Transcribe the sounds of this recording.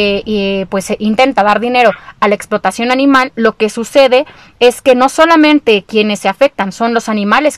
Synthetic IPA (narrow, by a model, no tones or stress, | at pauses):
pwe̞sʔint̪e̞nt̪aðaɾðine̞ɾo̞alaeksplo̞t̪asjo̞nanĩmalːo̞ke̞suse̞ðe̞ | e̞ske̞no̞so̞lamẽnt̪e̞kje̞ne̞sːeafe̞k̚t̪anso̞nlo̞sanĩmale̞s